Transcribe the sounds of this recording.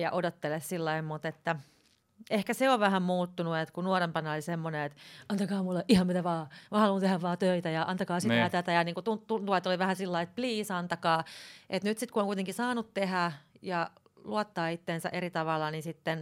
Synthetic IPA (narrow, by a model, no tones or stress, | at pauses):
jɑ̰ʔodot̪ːelessilːɑimmut̪et̪ːæ | ehkæseoʋʋæhæmmuːt̪ːunuet̪kunuorempɑnɑolisemːoneet̪ɑnt̪ɑkɑːmulːeʔihɑmmit̪æʋɑːmɑhɑlunt̪ehæʋʋɑːt̪øit̪æjɑʔɑnt̪ɑkɑːsit̪æt̪æt̪æjɑniːŋkut̪unt̪unt̪uɑet̪oliʋæhæsilːɑiet̪pliːsɑnt̪ɑkɑːʔet̪nyt̪sit̪kuoŋkuit̪eŋkisɑːnut̪t̪ehæjɑ | luot̪ːɑːit̪ːeːnsæ̰ʔerit̪ɑʋɑlːɑninsit̪ːen